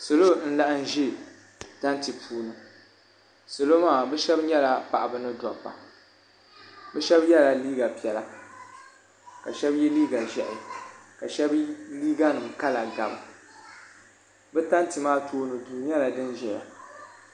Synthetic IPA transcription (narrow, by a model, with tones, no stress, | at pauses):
so˨lo˦n̩˦la˦ʔɨ˦n̩˦ʒi˦ | ta˦ntɨ˨pʰuː˦nɨ˨ | so˨lo˦maː˦˨bɛ˦ʃɛ˦bɲɛ˦la˨pa̰˨ʔa˨bɨ˨nɨ˦dɔ˨pːa̰˨ | bɛ˦ʃɛ˦bjɛ˦la˨liː˦ɡa˨pi˨ɛ˨la˦ | ka˨ʃɛ˦bjɛ˦liː˦ɡa˨ʒɛ˨ʔɪ̰˨ka˨ʃɛ˦bliː˦ɡa˦nɨ˨mka˦la˨ɡa˨bɨ˨ | bɛ˦ta˦ntɨ˨maː˦tʰoː˦nɨ˨duː˨ɲ˦ɛ˦la˨dɨ˦nʒɛ˨ja̰˨